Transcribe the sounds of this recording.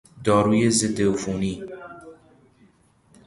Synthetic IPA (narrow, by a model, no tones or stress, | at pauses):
d̪ɔːɾujezed̪efuni